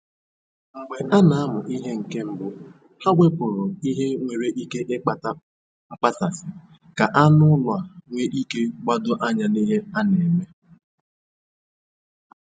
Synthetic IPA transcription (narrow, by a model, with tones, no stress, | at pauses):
ŋ͡m̩˨ɡ͡be˨ʔa˦na˨a˦mʊ˨ʔi˦ɦe˦ŋ̩˨ke˦m̩˦bʊ˨ | ha˦ɡʷe˦pʊ˨ɾʊ˨i˦ɦe˦ŋʷe˨ɾe˦ʔi˦ke˦ʔɪ˦k͡pa˦ta˦ | ŋ͡m̩˦k͡pa˦sa˨sɪ˨ | ka˨ʔa˦nʊ˦lʊ˨a˨ŋʷe˦ʔi˦ke˦ɡ͡bʷa˦dʊ˦ʔa˦ɲa˨ni˦ɦe˦a˦ne˨me˦